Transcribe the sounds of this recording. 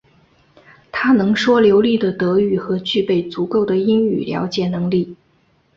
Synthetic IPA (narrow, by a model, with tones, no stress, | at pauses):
t̪ʰa˥nɤ˧˥ŋʂwɔ˥ljo˧˥ʊli˥˩d̪ə˩t̪ɤ˧˥y˥˩xɤ˧˥t͡ɕy˥˧pe˥˩ɪt͡su˧˥ko˥˩ʊd̪ə˩i˥ŋy̰˨˩ljɑ̰˧˥ʊt͡ɕjɛ˨˩nɤ˧˥ŋli˥˩